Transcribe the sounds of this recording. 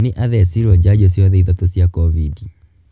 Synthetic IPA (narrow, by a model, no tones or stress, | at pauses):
nɪʔaðɛsiɾɔd͡ʒad͡ʒɔsjɔðɛiðatosjakɔvidi